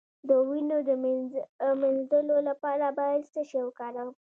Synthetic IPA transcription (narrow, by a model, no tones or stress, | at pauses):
d̪əwinod̪əm | menzd̪əlolapɑɾabɑjad̪səʃewəkɑɾaw